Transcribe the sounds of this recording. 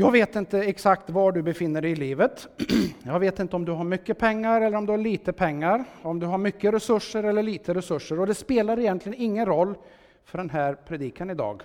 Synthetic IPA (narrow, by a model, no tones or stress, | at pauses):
jɑːɡveːt̪ɪnt̪əɛksakt̪vaɖɵbɛfɪnːəɖɛɪjɪliːvət̪jɑːɡveːt̪ɪnt̪əɔmd̪ɵɦaɾmʏkːəpʰɛŋːaɾɛlːəɾɔmd̪ɵhaɭiːt̪əpʰɛŋːaɾɔmd̪ɵɦaɾmʏkːəɾɛsɵʂːəɾɛlːəɭiːt̪əɾɛsɵʂːəɾɔd̪ɛspeːlaɾɪjɛnt̪lɪɡənɪŋːənɾɔlː | fœɖɛnɦæːɾpʰɾɛd̪iːkʰanɪd̪ɑ̰ːɡ